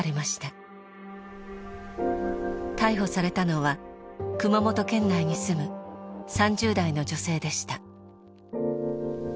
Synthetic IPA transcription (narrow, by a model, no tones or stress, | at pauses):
ɾemaɕi̥t̪a | t̪aiɦo̞saɾe̞t̪ano̞βakɯ̟mamo̞t̪o̞kẽ̞nːaiɲ̟isɨmɯ̟sãɲd͡ʑɨːd̪aino̞d͡ʑo̞se̞ːd̪e̞ɕi̥t̪a